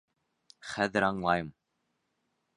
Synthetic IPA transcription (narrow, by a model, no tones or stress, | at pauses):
χæðɘɾɑɴlˠɑjɤm